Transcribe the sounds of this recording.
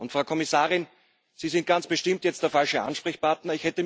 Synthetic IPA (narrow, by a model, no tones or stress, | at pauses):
ʔʊntfʁaʊkʰɔmɪsaːʁɪn | z̥iːzɪnt̚ɡ̥ant͡sb̥əʃtɪmtjɛt͡std̥eːɐfalʃəʔa̰nʃpʁ̥ɛçpaɐtnɐɪçhɛtəm